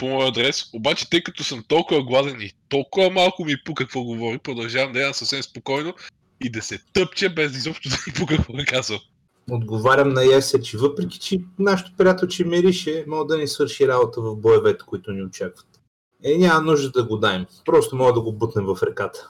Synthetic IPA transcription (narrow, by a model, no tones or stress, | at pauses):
pomɔjɐd̪ɾɛsobat͡ʃɛ̥t̪ɤjkɐt̪osəmt̪ɔlˠkʊvɐɡlˠazɛnit̪ɔlˠkʊvɐmalˠkʊmipukɐkvɔɡovɔɾipɾod̪ɐlˠʒavɐmd̪ɐɛd̪ɐmsɐfsɛmspokɔjno | id̪ɐsɛt̪ɤpt͡ʃɐbɛzizɔpʃt̪ʊd̪ɐmipukɐkvɔɡ̪ɐkazvɐm | od̪ɡovaɾʲɐmnɐjɛsɛt͡ʃɛvɤpɾɛkʲi̥t͡ʃɛnaʃɛ̥t̪o̥pɾʲijat̪ɛlˠt͡ʃɛmɛɾiʃɛmɔɡəd̪ɐnisvɤɾʃiɾabot̪əvɐfboɛvɛt̪ɛ̥koit̪ʊniot͡ʃakvə̥t̪ | ɛnʲamɐnuʒd̪əd̪ɐɡod̪aɛmpɾɔst̪omɔɡəd̪ɐɡobət̪nɛmvɐfɾɛkat̪ə̥